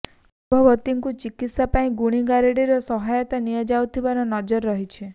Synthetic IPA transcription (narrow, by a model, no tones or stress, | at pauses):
bʱɔʋɔt̪iŋkut͡ʃikit̪sapaĩɡuɽ̃iɡaɾeɽiɾɔsɔɦajɔt̪anijad͡ʒawt̪ʰibanɔnɔd͡ʒɔɾːɔɦit͡ʃʰe